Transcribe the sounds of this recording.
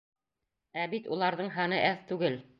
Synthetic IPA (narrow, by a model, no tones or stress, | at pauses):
æbit̪ulˠɑɾðɤɴɦɑnɤʔæθt̪ʉɡɘl